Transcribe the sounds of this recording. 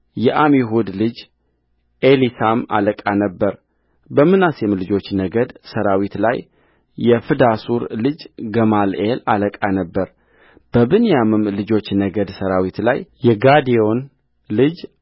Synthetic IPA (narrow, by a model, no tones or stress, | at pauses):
jɛʔamiɦud̪lɨd͡ʒ | ʔelisama̰ləkʼanəbːəɾ | bəmɨnasɛmlɨd͡ʒo̞t͡ʃːnəɡəd̪səɾawit̪la̰jː | ɛfɨd̪asuɾlɨd͡ʒɡəmalʔelaləkʼanəbːəɾ | b̥əbɨnijamɨmlɨd͡ʒo̞t͡ʃːnəɡəd̪səɾawit̪la̰jjɛɡad̪io̞n | lɨd͡ʒ